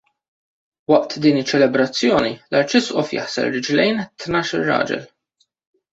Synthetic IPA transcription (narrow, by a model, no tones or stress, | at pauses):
wɐʔt̪ʰd̪iːnɪt͡ʃːɛlɛbɾɐt͡sːjɔːnilɐɾt͡ʃɪsʔɔfjɐ̰ħsɛ̰lɾɪd͡ʒlɛjnt̪nɐːʃɪrːɐ̰ːd͡ʒɛ̰l